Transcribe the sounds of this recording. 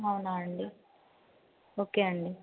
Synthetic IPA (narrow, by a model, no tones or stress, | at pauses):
awunaːɐɳɖi | o̞ːke̞ːɐɳɖi